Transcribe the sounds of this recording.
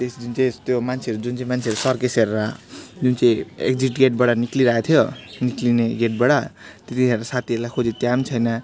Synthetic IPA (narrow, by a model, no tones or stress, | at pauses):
t̪esd̪unt͡saĩst̪jomant͡sʰeʌɾud͡zunt͡sãĩmant͡sʰeʌɾusʌrkeseɾaɦd͡zunt͡sʌĩḛk̚d͡ziʈɡeʈ̚bʌɽʌnikliɾaɦet̪ʰjoniklineɡeʈ̚bʌɽʌt̪et̪ieɾasat̪ʰiʌɾulajkʰod͡zit̪jamt͡sʰʌjnʌ